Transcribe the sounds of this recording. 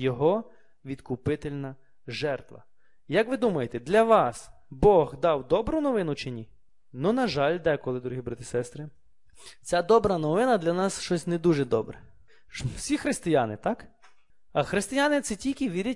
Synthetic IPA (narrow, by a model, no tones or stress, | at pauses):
jɔɦɔ | ʋʲid̪kʊpɪt̪elʲnɐ | ʒɛrt̪ʋɐ̰ | jɐkʋɪd̪umɐjet̪ɛd̪lʲɐʋɑs | bɔɣd̪ɑwd̪ɔbɾʊnɔʋɪnʊt͡ʃenʲi | nunɐʒɑlʲd̪ɛkɔlˠɪd̪ɔɾuɦibɾat̪ʲɪsɛst̪ɾɪ | t͡sʲad̪ɔbɾɐnɔʋɪnɐd̪lʲɐnɑsʃt͡ʃɔsʲnɛd̪uʒɛd̪ɔbɾɛ | sʲixɾɪst̪ɪjanɪt̪ɑk | ɐxɾɪst̪ɪjanɪt̪sɛtʲilʲkɪʋʲiɾʲɐtʲ